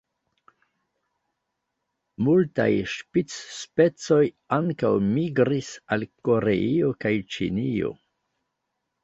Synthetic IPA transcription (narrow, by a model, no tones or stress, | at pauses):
multa̰jʃpit͡sːpe̞t͡so̞j | aŋkawmiɡɾisalko̞ɾe̞io̞kajt͡ʃḭnio̞̰